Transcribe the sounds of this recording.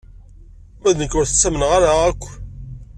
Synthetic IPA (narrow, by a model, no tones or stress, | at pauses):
mæðnəkːʊɾθə̥t͡sːæmənʁaɾaækʷː